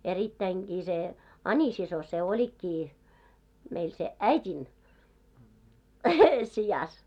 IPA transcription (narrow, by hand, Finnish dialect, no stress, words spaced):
eritːæiŋɡ̊iː se ɑnʲisiso se olʲikːiː meil se æitʲin sijɑs